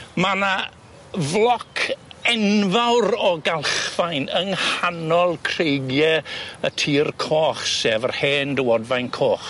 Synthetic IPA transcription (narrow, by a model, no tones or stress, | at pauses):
mana | vlˠɔkʰɛnvawɾɔɡalˠχvajnəŋhanɔlˠkʰrejɡjɛətʰiːrkʰoːχsɛːvərheːndəwɔdvajnkʰoːχ